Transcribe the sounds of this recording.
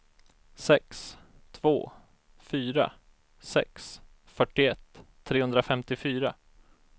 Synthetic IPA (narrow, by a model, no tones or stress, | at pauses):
sɛks | t̪ʰvo̰ː | fyːɾa̰ | sɛ̰ks | fœʈːɪɛt̪ʰː | ɾeːhɵnd̪ɾafɛmt̪ɪfyːɾa